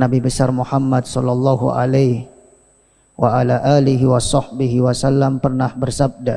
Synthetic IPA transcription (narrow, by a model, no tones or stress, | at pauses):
nabibəsarmuhamːad̪sɔlːɑlˤːɑɦṵʔa̰lajh | waʔalaʔaliɦiwasɑhbiɦiwasalːampərnahbərsab̚da